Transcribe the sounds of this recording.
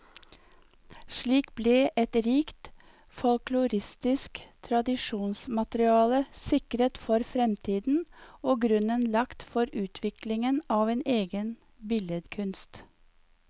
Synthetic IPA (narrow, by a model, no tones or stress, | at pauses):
ʃɭiːkbleːʔɛt̪ɾiːkt̪ | fɔlklʊɾɪst̪ɪskt̪ʰɾɑd̪ɪʃuːnsmɑt̪ɾɪɑːləsɪkɾət̪fɔɾfɾɛmt̪ʰiːd̪n̩oːɡɾʉnənlɑkt̪fɔɾʉːt̪ʰʋɪklɪŋənɑːʋeːnʔeːɡən | bɪljəd̪kʰʉnst̪